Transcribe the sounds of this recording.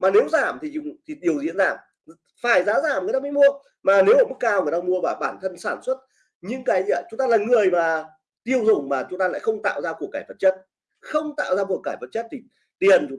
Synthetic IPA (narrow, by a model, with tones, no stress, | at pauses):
maː˨˩ne˨˦wzaː˧˩mt̪ʰi˨˩˧t̪ʰi˨˩ɗi˨˩əwzḭ˧˥ənzaː˧˩m | faː˧˩jzaː˨˦zaː˧˩mŋɨ˨˩˨t̪aː˧maː˧˦jmu˧ə | maː˨˩ne˨˦wəː˧˩mɨ˦˥k̚ːaː˧wŋɨ˨˩əjt̪a˧mu˧əvaː˨˩ɓaː˧˩nt̪ʰə˧nsaː˧˩nswə˦˥t̚ | ɲɨ̰˧˥ŋkaː˨˦jzt͡ɕʊ˨˦ŋ͡mt̪aː˧laː˨˩ŋɨ˨˩əjmaː˨˩ | t̪i˧əwzʊ˨˩ŋ͡mmaː˨˩t͡ɕʊ˨˦ŋ͡mt̪aː˧la̰ː˧˨jxə˧wŋ͡mt̪a̰ː˧˨wzaː˧ku˨˩əkːaː˧˩jfə˨˩t̚t͡ɕə˦˥t̚ | xə˧wŋ͡mt̪a̰ː˧˨wzaː˧ku˨˩əkaː˧˩jfə˨˧˩t̚t͡ɕə˦˥t̚t̪ʰi˨˩ | t̪i˨˩ənt͡ɕ